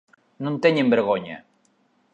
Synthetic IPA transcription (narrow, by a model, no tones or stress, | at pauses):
nunt̪eɲembeɾɣoɲa̰